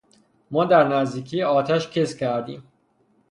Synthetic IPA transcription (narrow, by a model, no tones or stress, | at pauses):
mɒːd̪æɾnæzd̪iːcʰiːjeɒːt̪ʰæʃcʰescʰæɾd̪ḭːm